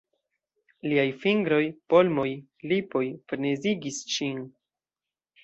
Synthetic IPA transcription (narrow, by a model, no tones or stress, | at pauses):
liajfiŋɡɾo̞jpo̞lmo̞j | lipo̞jfɾneziɡisʃin